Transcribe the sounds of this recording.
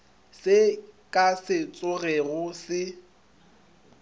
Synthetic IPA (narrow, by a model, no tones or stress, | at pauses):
sɪkʼasɪt͡sʼʊrɛɣʊsɪ